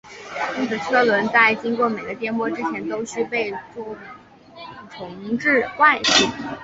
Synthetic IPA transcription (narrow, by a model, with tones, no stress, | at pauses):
i˥kʰɤ˨˩ʈ͡ʂʰɤ˥lwə˧˥nt͡sa˥˩ɪt͡ɕi˥ŋkwɔ˥˩me˨˩ɪɡə˦t̪̬jɛ˥˧nmwɔ˥˧˩ʈ͡ʂɻ̩˥t͡ɕʰjɛ˧˥nt̪o˥ʊɕy˥˧pe˥˧ɪt͡sɔ˥˩˨ | ʈ͡ʂʰɤ˧˥ŋ˧ʈ͡ʂɻ̩˥˧kwa˥˧ɪɕi˥˩